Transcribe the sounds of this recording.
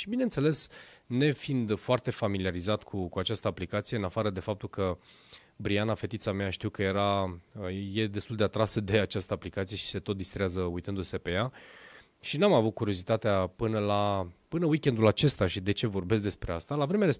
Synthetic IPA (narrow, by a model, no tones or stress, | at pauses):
ʃibinent̪se̞le̞sne̞find̪foart̪e̞familiaɾizat̪kʰukuat͡ʃast̪əaplikat̪sije̞ɨnafaɾəd̪e̞fap̚t̪ulkə | bɾianafe̞t̪it̪sameaʃt̪iukəje̞ɾaəje̞d̪est̪uld̪e̞at̪ɾasəd̪e̞at͡ʃast̪əaplikat̪sije̞ʃi̥se̞t̪ot̪d̪ist̪ɾeazəujt̪ɨnd̪use̞pe̞ja | ʃinamavut̪̚kuɾio̞zit̪at̪eapɨnəlapɨnəwikʲe̞nd̪ulat͡ʃe̞st̪aʃid̪e̞t͡ʃe̞vo̞rbe̞skd̪e̞spɾe̞ast̪alavɾe̞meaɾe